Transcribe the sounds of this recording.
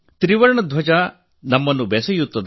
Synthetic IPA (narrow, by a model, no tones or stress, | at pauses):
t̪ɾiʋɐɾɳɐd̪ʱʋɐd͡ʒɐ | nɐmːɐnːubɛsɐjut̪ːɐd̪